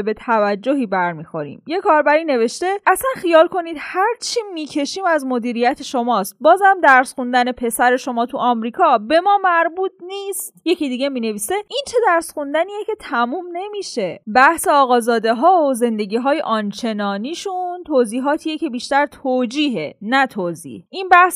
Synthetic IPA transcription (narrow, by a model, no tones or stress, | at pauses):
be̞t̪ʰævæd͡ʒːo̞ɦiːbæɾmiːxo̞ɾḭːmje̞kʰɒːɾbæɾiːne̞ve̞ʃt̪e̞æsænxijɒːlkʰo̞nid̪̥hæɾt͡ʃʰimiːcʰe̞ʃiːmæzmo̞d̪iːɾijæt̪ʰe̞ʃo̞mɒːst̪̚bɒːzæmd̪æɾsxund̪æne̞pʰe̞sæɾe̞ʃo̞mɒːt̪ʰuʔɒmɾiːkʰɒːbe̞mɒːmæɾbuːt̪̚ʰniːstt̪je̞cʰid̪iːɟe̞miːne̞viːse̞ʔint͡ʃʰe̞d̪æɾsxund̪æniːjecʰe̞t̪ʰæmuːmne̞miːʃe̞bæhseɒːɣɒːzɒːd̪e̞ɦɒːoze̞nd̪e̞ɟiːɦɒːjeʔɒːnt͡ʃʰe̞nɒːniːʃunt̪ʰoːziːɦɒːt̪ʰijecʰe̞biːʃt̪æɾt̪ʰoːd͡ʒiːɦe̞næt̪ʰoːzḭːhʔinbæhs